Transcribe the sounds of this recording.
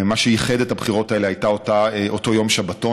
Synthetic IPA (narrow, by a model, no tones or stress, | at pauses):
maʃejiχedethabχiʁo̞tae̞le̞ɦajtaotaʔoto̞jo̞mʃabato